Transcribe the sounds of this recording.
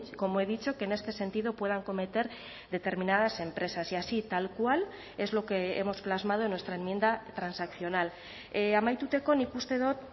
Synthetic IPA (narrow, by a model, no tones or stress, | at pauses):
ko̞moe̞ð̞it͡ʃo̞ke̞ːne̞st̪e̞se̞nt̪iðo̞pwe̞ð̞aŋko̞me̞t̪e̞ɾ | ðe̞t̪e̞ɾmĩnað̞ase̞mpɾe̞sasiasit̪alkwal | e̞zlo̞ke̞ḛmo̞splazmað̞oenwe̞st̪ɾaemje̞nd̪at̪ɾansakθjo̞nal | eamajt̪ut̪e̞ko̞nikust̪eðo̞t̪̚